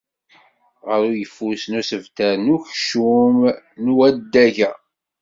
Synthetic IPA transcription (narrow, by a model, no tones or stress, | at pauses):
ʁəɾujəfːusnusəvt̪æɾnuçʃum | nwæd̪ːæʝæ